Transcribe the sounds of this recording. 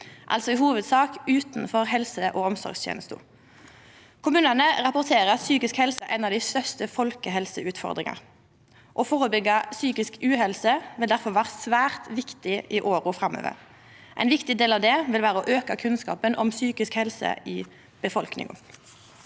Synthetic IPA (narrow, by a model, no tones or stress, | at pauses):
ʔɑ̰lt̪sɔɪhuːʋəd̪sɑːkʉːt̪nfɔʁɦɛlsəʔɔːɔmsɔ̰ɾɡst̪jḛːnəst̪ʊ̰ | kʰʊmʉːnənəʁɑpʊʁt̪ʰeːʁəsyːkɪskhɛlsəʔɛnɑːʋd̪ɪst̪œʁst̪əfɔlkəɦɛlsəʉːt̪fɔ̰ʁd̪ʁɪ̰ŋɑ̰ʁ | ʔɔfoːʁəbʏɡɑsyːkɪskʉːhɛlsəʋɪld̪æʁfɔʁʋæːʁəsʋæːʁt̪ʋɪkt̪ɪʔɪʔoːɾʊfʁɑmːø̰ːʋə̰ɾ | ʔɛ̰ɪnʋɪkt̪ɪd̪eːlɑʋd̪ɛʋɪlʋæːɾəɔʔøːkɑkʰʉnskɑ̰ːpənʔɔmsyːkɪskhɛlsə̰ɪː | b̥əfɔlknɪ̰ŋə̰